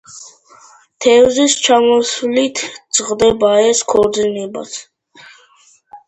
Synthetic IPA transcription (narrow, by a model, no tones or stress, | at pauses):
t̪ʰɛwzist͡ʃʰamɔsulit̪ʰt͡sʁd̪ɛbaɛskʰɔd͡z̪iniba̰t͡s̪ʰ